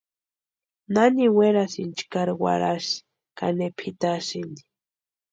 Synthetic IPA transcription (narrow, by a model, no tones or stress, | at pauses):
naniweɾasint͡ʃkaɾwa̰ɾaʃi̥ | ka̰nepʰit̪aʃind̪i̥